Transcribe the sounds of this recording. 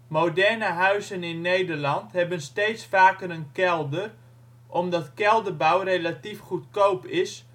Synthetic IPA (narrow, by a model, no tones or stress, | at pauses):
modɛrnəɦœɥzənɪnːejdərlɑntɦɛbənstejtsfaːkəɾənkɛlˠdər | ʔɔmdɑtkɛlˠdəbawrejlatifχutkowpɪs